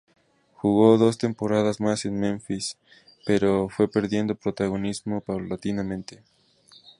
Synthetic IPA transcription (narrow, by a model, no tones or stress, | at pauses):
xuɣo̞ðo̞s̬t̪e̞mpo̞ɾaðazmase̞nmẽɱfis | pe̞ɾo̞fwe̞pe̞ɾðje̞nd̪o̞pɾo̞t̪aɣ̞o̞nizmo̞pawlat̪inamẽnt̪e̞